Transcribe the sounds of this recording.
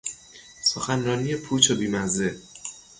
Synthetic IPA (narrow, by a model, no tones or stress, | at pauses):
soxænɾɒːnije̞pʰuːt͡ʃʰobiːmæze